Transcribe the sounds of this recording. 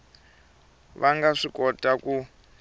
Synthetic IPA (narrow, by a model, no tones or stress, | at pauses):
βaŋɡaʂikʼɔtʼaku